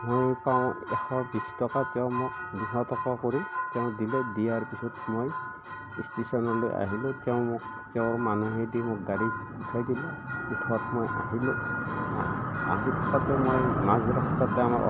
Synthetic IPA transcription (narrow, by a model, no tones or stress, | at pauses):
mojpawʊ̃ɛkʰɔbistɔkatɛw̃mʊk̚diɦɔt̪ʰɔkwakɔɾit̪ɛʊ̃d̪ilɛd̪ijaɹpisʰɔtmoj | istisɔnɔlojʔa̰ɦilɔtɛʊ̃mʊk̚ | tɛʊ̃ɹmanuɦedimʊk̚ɡaɾi | utʰajdilɔutʰwatmɔja̰ɦilɔa̰a̰ɦĩt̪ʰɔkatɛmojmazɾɔstatɛama̰ɾɔ̰